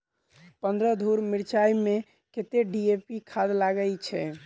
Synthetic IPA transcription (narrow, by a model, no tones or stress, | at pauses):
pənd̪ɾəd̪ʱuɾmiɾt͡ʃaime | ket̪eɖiepikʰad̪laɡəlt͡ʃʰɛ